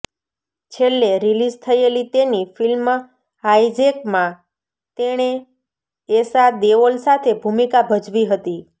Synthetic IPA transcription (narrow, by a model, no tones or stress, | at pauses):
t͡ʃʰelːeɾilid͡ʒt̪ʰəelit̪enifilm | ajd͡ʒekmã | t̪eɽ̃eː | sad̪eʋolsat̪ʰebʱumikabʱəd͡ʒʋiɦət̪i